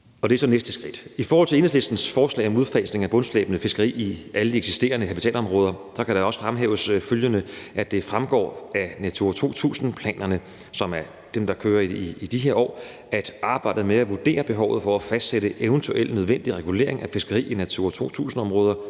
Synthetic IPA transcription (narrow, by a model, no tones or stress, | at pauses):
ɒ̽d̥eæsɒ̽nesd̥əsɡ̥ʁid̥ifɒɔːhɒl̰t͡sʰe̝enəsle̝sd̥n̩sfɒːslɛ̰ɪɒ̽muðˠfɛsne̝ŋæb̥ɔ̽nslḛːb̥ənəfe̝sɡ̥əʁḭːiæləd̥ieɡ̥sisd̥e̝̰ːɐnəkʰæpit͡sʰɛ̰ːlɒ̽mʁɔ̽ːð̞ˠɐsɒ̽kʰæɾ̥ɑ̈ɒ̽sə̥fʁamɦḛːʊəsføljənəʔæd̥e̝fʁamɡ̥ɒ̰ːænæt͡sʰuɐt͡sʰo̝̰ːt͡sʰṵːsn̩pʰlɛ̰ːnɐnə | sɒ̽mæɐ | d̥emd̥ɑ̈kʰøːɐiiid̥iɦeɐɒ̰ː | æd̥ɑ̈ːb̥ɑ̈ɪ̰d̥ð̩ˠmeæʋud̥e̝̰ːɐb̥e̝ɦɒʊð̩ˠfɒ̽æfæsd̥seɾəʔeʊnt͡sʰuʔel̰nøð̞ˠʋen̰d̥iʁɛɡ̥ule̝̰ɐ̰e̝ŋʔæfe̝sɡ̥ɐʁḭːinæt͡sʰuɐt͡sʰo̝̰t͡sʰṵːsn̩ɒ̽mʁɔːð̞ˠɐ